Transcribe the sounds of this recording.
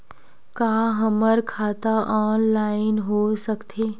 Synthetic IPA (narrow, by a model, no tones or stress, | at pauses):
kaːɦəməɾkʰaːt̪aʔɔːnlaːɪnɦoːsəkt̪ʰeː